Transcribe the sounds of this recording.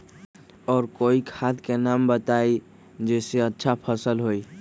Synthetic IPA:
ɔːɾkoːikʰad̪kenaːmbət̪aːi | d͡ʒɛːseətːʃʰapʰəsəlɦoi

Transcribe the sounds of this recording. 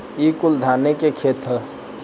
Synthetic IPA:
ikuld̪ʱanekekʰet̪ə

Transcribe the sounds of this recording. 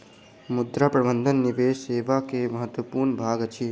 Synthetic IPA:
mʊd̪ɾapɾɐbənd̪ʱənːiʋeːʃeːʋakemɐɦət̪ʋəpuːɾɳbʱaːɡət͡ʃʰi

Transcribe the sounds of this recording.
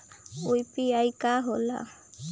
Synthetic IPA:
ujpiajkaɦola̰

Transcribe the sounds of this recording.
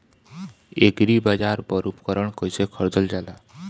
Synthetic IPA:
eɡɾibad͡ʒaɾbɔɾupkɔɾɔɳkɔjsekʰɔɾd͡zɔld͡ʒala

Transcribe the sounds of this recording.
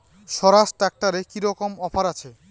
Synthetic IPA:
ʃɔɾasʈak̚ʈaɾekiɾɔkomɔpʰaɾat͡ɕʰe

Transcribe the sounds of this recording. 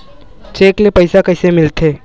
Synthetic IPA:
t͡ʃeːklepɐɪsakɐɪsemɪlt̪eː

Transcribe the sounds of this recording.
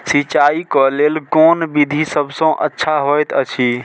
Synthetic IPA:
sit͡ʃaikɔlelkɔnbid̪ʱisəbʱsə̃ʔə̰tːʃʰaɦojt̪ət͡ʃʰi

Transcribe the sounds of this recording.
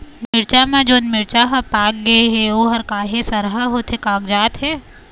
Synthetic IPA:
mɪɾt͡ʃamãd͡ʒoːnmɪɾt͡ʃaɦɐpaːk̚ɡɐeɦɛoːɦɐɾkaːɦesɐɾɦaɦoːt̪ɦekaːɡd͡ʒaːt̪ɦɛː

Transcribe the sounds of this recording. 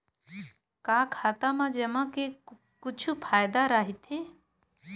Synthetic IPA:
kaːkʰaːt̪amãd͡ʒɐmãke | kʊt͡ʃʰupʰaːjd̪aɾaːɦit̪ʰe

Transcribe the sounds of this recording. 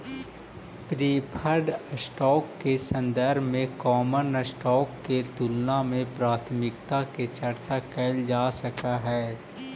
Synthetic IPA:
pɾiːpʰəɾɖsʈɔːkːesə̃nd̪əɾbʱmẽkɔːmənəsʈɔːkːet̪ʊlnamẽpɾaːt̪ʰmɪk̚t̪aket͡ʃɐɾt͡ʃakɛːld͡ʒaːsɐkaɦɛː

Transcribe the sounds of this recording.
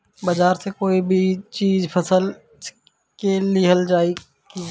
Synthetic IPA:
bɐd͡ʒaːɾsekoːibʱit͡ʃiːzpʰɐsəl | keliɦɐld͡ʒaːi | ki

